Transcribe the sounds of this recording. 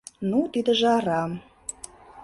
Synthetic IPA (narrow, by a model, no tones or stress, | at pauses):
nut̪id̪ə̆ʒɑɾɑm